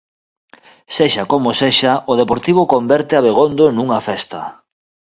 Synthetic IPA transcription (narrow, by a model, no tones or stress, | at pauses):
seʃakomoseʃaʔoð̞epoɾt̪iβ̞okombɛɾt̪eaβeɣond̪onuŋafɛst̪a̰